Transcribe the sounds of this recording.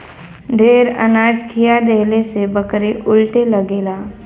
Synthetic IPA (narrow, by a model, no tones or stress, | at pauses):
ɖʱeːɾə̰naːd͡ʒkʰijad̪eɦlesebəkɾeʔʊlʈeləɡeːla